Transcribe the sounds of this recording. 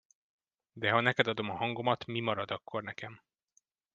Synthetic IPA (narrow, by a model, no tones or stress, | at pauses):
d̪ɛɦɒnɛkɛd̪ɒd̪o̞mɒɦɒŋɡo̞mɒt̪mimɒɾɒd̪ɒkːo̞rnɛkɛm